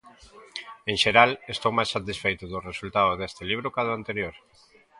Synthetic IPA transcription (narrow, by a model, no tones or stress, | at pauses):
ẽŋʃeɾalest̪owmajsat̪isfejt̪ʊðʊresult̪aðoðest̪eliβ̞ɾʊkaðʊant̪eɾjoɾ